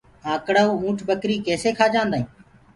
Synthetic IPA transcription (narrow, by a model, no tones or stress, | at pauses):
ãːkɽaːuːũːʈʰbəkɾiːkeːseːkʰaːd͡ʒãːnd̪aːɦĩː